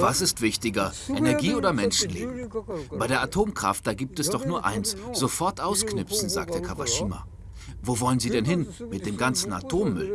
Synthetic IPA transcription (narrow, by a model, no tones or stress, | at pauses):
vasɪstv̥ɪçtɪɡɐʔʔɛnɛɐɡiːoːdɐmɛnʃn̩lḛːbm̩b̥aɪdeːɐʔatʰoːmkʁ̥a̰ft̚d̥aːɡiːp̚tɛsd̥ɔχnuːɐʔa̰ɪnsz̥ofɔɐtʔaʊsknʏpfsn̩za̰ːktdeɐkʰavaʃiːma̰ | voːvɔlənziːdɛnɦɪnmɪt̚d̥eːmɡant͡sn̩a̰tʰoːmːʏl